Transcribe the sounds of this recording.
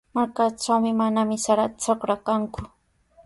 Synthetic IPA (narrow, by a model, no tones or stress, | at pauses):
maɾkaʈ͡ʂawmɪmanamɪsaɾat̪at͡sokɾakaŋkʊ